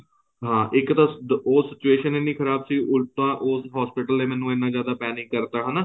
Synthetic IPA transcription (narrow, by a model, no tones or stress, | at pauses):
ɦãːʔɪkt̪ãːoːsɪt͡ʃueːʃəneniːkʰəɾaːbsiːʔʊlt̪ãːʔoːsɦaːspɪʈəlːẽːmɛ̃ːnũːɪnːãːzjaːd̪aːpɛːnɪ̃ŋkːəɾt̪aːɦənaː